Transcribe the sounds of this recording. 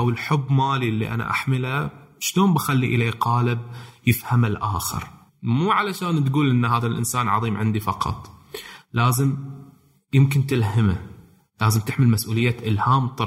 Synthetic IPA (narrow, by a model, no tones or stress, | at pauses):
ʔawɪlħʊbːmaːlilːḭʔa̰na̰ʔa̰ħmɪlaʃloːnbaxalːiʔɪleːqɑːlɪb̚jɪfhamalʔaːxɪ̰ɾ | muːʕalaʃaːnt̪ɡuːlʔɪnːhaːðalʔɪ̰nsaːnʕɑ̰ðˤiːmʕɪnd̪ifɑqɑ̰t̪ˤlaːzɪm | jɪmkɪnt̪ɪlɦama | laːzɪmt̪ɪħmɪlmasʔuːlɪjːaʔɪlhaːmt̪ˤɑ